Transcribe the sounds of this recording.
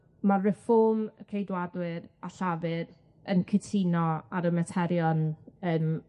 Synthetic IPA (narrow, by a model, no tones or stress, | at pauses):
maːɛfɔmkʰejdwadwɨɾaɬavɨɾ | ənkʰɪtʰinɔaɾəmɛtʰɛɾjɔnəːm